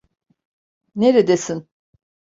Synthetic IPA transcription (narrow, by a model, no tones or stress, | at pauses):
neɾed̪esin